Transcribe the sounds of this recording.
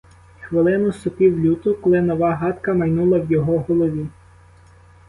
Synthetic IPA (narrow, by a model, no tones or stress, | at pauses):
xʋelˠɪnʊsʊpiwlʲut̪ʊkɔlˠɪnɔʋɑɦɑt̪kɐmɐjnulˠɐwjɔɦɔɦɔlˠɔʋʲi